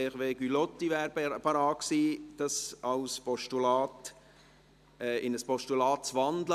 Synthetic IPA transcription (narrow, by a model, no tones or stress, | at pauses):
χʋeːɡ̥ylɔt̪ːiʋæːɾpɑɾɑːksiːd̥ɑsɑwspɔʃtulɑːt | ɛːʔɪnəspɔʃtulɑːt̚t͡sʋɑnd̪lə